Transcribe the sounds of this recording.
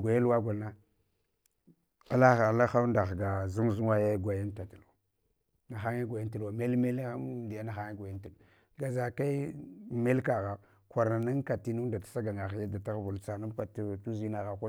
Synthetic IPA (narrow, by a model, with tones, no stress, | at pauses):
ɡʷa˨ja˦lwa˦ɡʷa˨lna˦ | a˦la˦a˨la˦xa˦u˦nda˨ɡa˨zu˦mzu˦a˦ja˦ɡʷa˨ja˦nta˨ta˨lwa˨ | na˨xa˦ŋa˦ɡʷa˨ja˦nta˨lwa˨me˦lme˦lndi˨a˦na˨xa˦ŋa˦ɡʷa˨ja˦nti˨l | ɡa˨za˨ka˦i˦me˦lka˨ɣa˨ | kʷa˨ɾa˨na˦ŋ˦ka˨ti˦nu˦da˨tḁ˦sa˦ɡa˨ŋa˨xja˦da˨ta˦ɣvu˨lt͡sa˨na˦m˦kʷa˨ttu˦zi˦na˨ɣa˨kʷa˦